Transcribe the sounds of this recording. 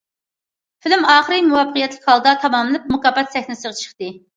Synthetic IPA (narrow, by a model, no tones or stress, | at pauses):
fɪlɪmɑːχəɾɨmuwɑpːəqijɛt̪lɪkʲhɑlˠd̪ɑt̪ʰɑmɑmɨlɨp̚mukɑbɛt̪sɛhnɪsəʁɑt͡ʃʰə̥χt̪ɨ